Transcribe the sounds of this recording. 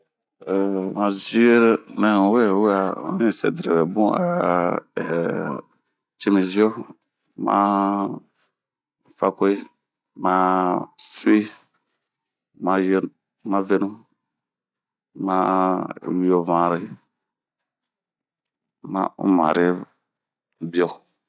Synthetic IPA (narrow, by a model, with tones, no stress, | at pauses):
mã˨zi˦e˦ɾnɛ̃˨wɛ˦˨wa˨ṵ˦nĩ˦˨sɛ̰˨dɾe˨wɛ˨bṵ̃˦˨ | t͡ʃe˦me˨zi˦ɔ˦ | mã̰˦˨˦ | fa˦ko˦i˦ | ma˨su˦i˦ | mã˨˦j | mã˦ve˦nũ˦ | ma˦˨wi˨˦ɔ˨vã˨ɾe˦ | mã̰˦ṵ˦mã̰˨ɾe˦ | bi˦ɔ˦